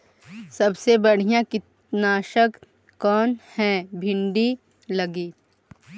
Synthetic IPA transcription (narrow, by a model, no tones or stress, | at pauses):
sɐbsebɐɽ̤ijãkɪt̪ | naːʃək | kɔːnhɛ̃bʱɪ̃ɳɖi | lɐɡiː